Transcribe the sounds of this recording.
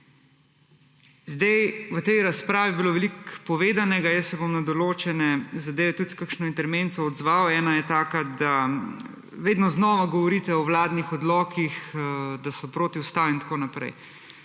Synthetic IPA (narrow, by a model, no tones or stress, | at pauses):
zd̪ɛjʋət̪ɛjɾaspɾaːʋibiloːʋɛlikpɔʋeːd̪anɛɡajəsːɛbomnad̪ɔloːt͡ʃɛnɛzad̪eːʋɛt̪ut̪skəkʃnɔint̪ɛɾʋeːnt̪sɔɔd̪zʋaːoɛːnajɛt̪aːkad̪a | ʋeːd̪nɔznɔʋaɡɔʋɔɾiːt̪ɛɔwlaːd̪nixɔd̪lɔːkixd̪asɔpɾoːt̪iust̪aːlint̪ḁkonapɾɛ̰j